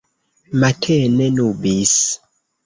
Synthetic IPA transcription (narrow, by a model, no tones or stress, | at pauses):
matʰɛnɛnubis